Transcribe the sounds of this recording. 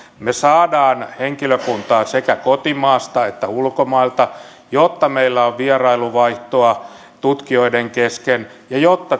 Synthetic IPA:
mesɑːdɑːnheŋkiløkunt̪ɑːsekækot̪imɑːst̪ɑet̪ːæulkomɑilt̪ɑ | jot̪ːɑmeilːæoʋʋierɑiluʋɑiht̪oɑ | t̪ut̪kioideŋkeskenjɑjot̪ːɑ

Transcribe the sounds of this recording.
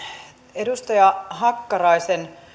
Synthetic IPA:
edust̪ɑjɑɦɑkːɑrɑisen

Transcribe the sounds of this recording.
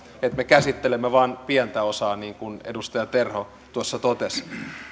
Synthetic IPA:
et̪mekæsit̪ːelemːæʋɑːnpiɛnt̪æosɑːniːŋkunḛdust̪ɑjɑt̪erho | t̪uosːɑt̪ot̪es

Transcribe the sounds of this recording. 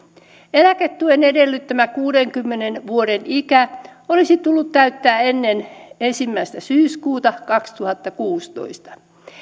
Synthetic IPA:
elæket̪ːuenedelːyt̪t̪ːæmækuːdeŋkymːenenʋuoɾenikæolisit̪ulːut̪t̪æyt̪ːæːenːenensimːæist̪æsyːskuːt̪ɑkɑkst̪uhɑt̪ːɑkuːst̪o̰ist̪ɑ̥

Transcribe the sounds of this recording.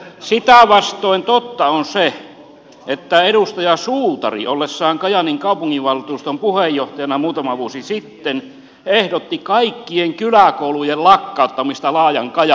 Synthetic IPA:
sit̪æʋɑst̪ˑoˑint̪ot̪ːɑonse | et̪ːæeɾust̪ɑjɑsuːt̪ɑ̰rḭʔolːesːɑːŋkɑjɑniŋkɑupuŋːiʋʋɑlut̪uːst̪ompuhejːoht̪ɑjɑnɑmuːt̪ɑmɑʋuosisit̪ːen | ehdot̪ːikɑikːieŋkylækoulujellɑkːɑut̪ːɑmist̪ɑlɑːjɑŋkɑjɑ

